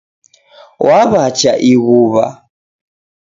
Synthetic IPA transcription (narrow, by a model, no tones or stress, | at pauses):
wʔaβat͡ʃaʔiɣuβa̰